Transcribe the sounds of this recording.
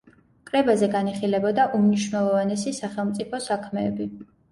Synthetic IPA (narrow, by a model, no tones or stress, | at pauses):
kʼɾɛbazɛɡaniχilɛbɔd̪aʔumniʃvnɛlˠɔvanɛsisaχɛlˠmt̪sʼipʰɔsakʰmɛːbi